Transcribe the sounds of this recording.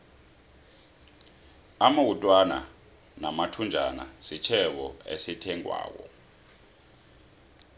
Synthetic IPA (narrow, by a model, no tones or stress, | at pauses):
amawutʼwana̰ | namatʰund͡ʒʱana̰sit͡ʃʰɛɓɔḛsitʰɛŋʼwa̰ːk̬ɔ̰